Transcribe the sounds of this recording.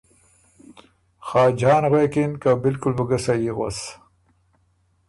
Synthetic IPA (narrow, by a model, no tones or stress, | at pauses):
xɑːd͡ʒɑːnɣwekinkabɪlkʊlbəɡəsajiɣa̰s